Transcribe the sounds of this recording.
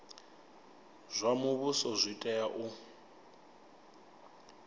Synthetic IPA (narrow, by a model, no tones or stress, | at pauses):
z̥ʷamuβusɔzʷitʼɛjaʔʊ